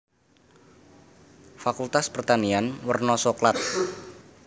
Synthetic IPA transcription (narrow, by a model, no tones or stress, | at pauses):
fakult̪aspərt̪anianwərnɔsɔklat̪̚